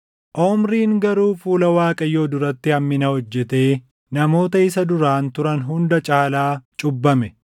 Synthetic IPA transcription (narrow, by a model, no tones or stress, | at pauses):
ʔɔmɾiːŋɡɐɾuːfuːlɐwaːkʼɐjːo̞ːd̪ʊɾɐt̪ːɪhɐmːɪnɐhɔd͡ʒːɛt̪e̞ː | nɐmo̞ːt̪ɐɪsɐd̪ʊɾaːnt̪ʊɾɐnɦʊnd̪ɐt͡ʃʼaːlaːt͡ʃʼʊbːɐmɛ